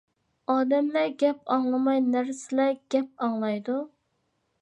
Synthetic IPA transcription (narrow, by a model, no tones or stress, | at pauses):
ɑːd̪ɛmlɛɡʲɛp̚ɑŋlˠɨmɑjnæɾsɪlɛɡ̥ʲɛp̚ɑŋlˠɑjd̪u